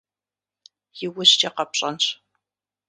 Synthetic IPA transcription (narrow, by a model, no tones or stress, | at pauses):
jɪwʊɕt͡ʃʼɐqɐpɕʼɐnɕ